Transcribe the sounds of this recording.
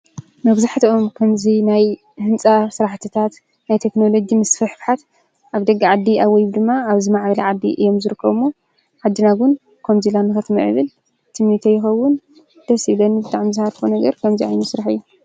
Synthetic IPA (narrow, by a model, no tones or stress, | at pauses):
mɐβzaħt̪ʰʔomkʰɐmzinaj | hɨnt͡sʼasɨɾaħt̪ʰɨt̪ʰat̪ | najt̪ʰe̞kno̞lo̞d͡ʒimɨsfɨħfħat̪ | ʔaβd̪ɐɡːaʕad̪ːiaβwɔjβd̪ɨmːaːβzimaʕbɐlɐʕad̪ːḭʔɨ̰jo̞mzɨɾɨkːɐβɨmːo | ʕad̪ːɨnaɡʊn | kʰɐmzilanːɨxɐt̪ʰmɨʕɨ̰βɨl | t̪ʰiknit̪ʰejːɪxɐwːʊn | d̪̥ɐsiβlɐnbɨt̪ʼaʕmizɨhaɾfonɐɡɐɾkʰɐmziʕajnusɾaħɨjːu